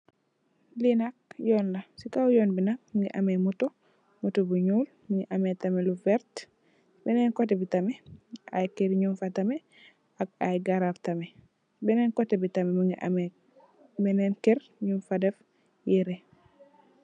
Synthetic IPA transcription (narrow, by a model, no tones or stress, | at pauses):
linak̚jɔːnlasikawjɔːnbinak̚muŋɡiʔamɛmuto | mutobuɲuːl | muŋiʔamɛtamɛluvɛɾt | bɛnɛnkɔtɛbitamɛʔa̰jkeɾɲunfatamɛ | akajɡaɾaftamɛ | bɛnɛnkɔtɛbitamɛmuŋɡiʔa̰me | bɛnɛnkeɾ | ɲunfadɛf | jiɾe